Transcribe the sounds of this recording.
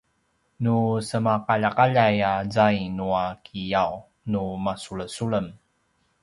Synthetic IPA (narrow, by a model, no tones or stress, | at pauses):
nusəmaqaʎakaʎajazajnuakʰijaw | numasuɭəsuɭəm